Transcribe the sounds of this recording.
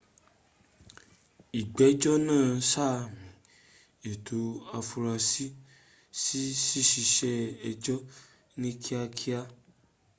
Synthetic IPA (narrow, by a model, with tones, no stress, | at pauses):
i˨ɡ͡bɛ˨˦d͡ʒɔ˦nãː˦˨sa˦˨mĩ˨ | e˨tʰo˨a˧fu˧ɾa˧si˦ | si˦ʃi˦ʃi˧ʃɛ˦ɛ˧d͡ʒɔ˦ | nĩ˦kʰi˦a˧kʰi˦a˦